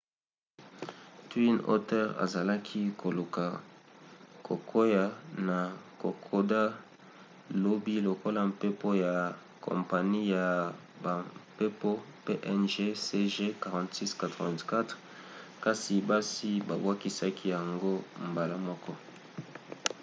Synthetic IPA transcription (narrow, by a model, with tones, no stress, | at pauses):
twi˦no̰˦tɛ˦ʁa̰˨za˨la˦kʰi˦kʰo˨lo˨ka˨ | kʰo˨kʰo˦ja˨na˨ko˨kʰo˦da˦ | lo˦bi˦lo˨ko˦la˦mpe˦po˦ja˨ | kʰo̰˨mpa˨ni˦ja˨ | ba˨pe˦po˦ | pe˦ʔɛ˦nʒe˦se˦ʒe˦ka˨ʁã˨ntsi˦ska˨tʁɔ˨vɛ̃˨ntka˦tʁ | ka˦si˨ba˦si˦ba̰˨bwa˦ki˦sa˦kʰi˦ja˨ŋɡo˦mba˨la˦mɔ˦kɔ˦